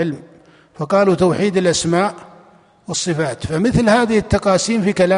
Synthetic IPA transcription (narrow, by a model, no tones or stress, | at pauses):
ɪlm | fɑqɑːlut̪awħiːd̪ɪlʔasmaːʔ | wsˤːɨfaːt̪famɪθlhaːðɪhɪt̪ːɑqɑːsiːmfikalaː